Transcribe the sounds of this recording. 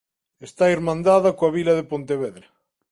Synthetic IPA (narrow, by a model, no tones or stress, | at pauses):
est̪aiɾmãnd̪aðɐakoaβilɐðepont̪eβeðɾa